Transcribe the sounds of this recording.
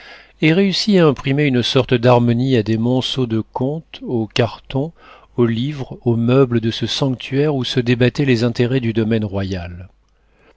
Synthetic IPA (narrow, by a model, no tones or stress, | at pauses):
eʁeysiaɛ̃pχimeynsɔʁt̪d̪aʁmɔniad̪emɔ̃sod̪əkɔ̃t̪okaʁt̪ɔ̃ | olivʁomœbləd̪əsəsɑ̃k̚t̪ʰɥɛʁusəd̪ebat̪ɛlezɛ̃t̪eʁɛd̪yd̪ɔmɛnʁwajal